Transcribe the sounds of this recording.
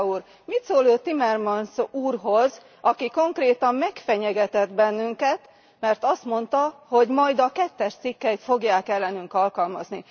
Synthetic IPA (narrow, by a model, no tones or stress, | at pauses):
uːr | mit̪soːløːt̪ːimɛrmɒnsuːrɦo̞z | ɒkiko̞ŋkreːt̪ɒmːɛkfɛɲɛɡɛt̪ɛd̪bɛnːyŋkɛt̪ | mɛrt̪ɒst̪mo̞nt̪ɒho̞ɟmɒjd̪ɒkɛt̪ːɛʃt̪sikːɛjt̪fo̞ɡjaːkɛlːɛnyŋkɒlkɒlmɒzni